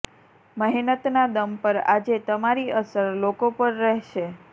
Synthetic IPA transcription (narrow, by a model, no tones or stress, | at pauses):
məɦinət̪nad̪əmpəɾad͡ʒet̪əmaɾiəsəɾlokopəɾːɛɦʃe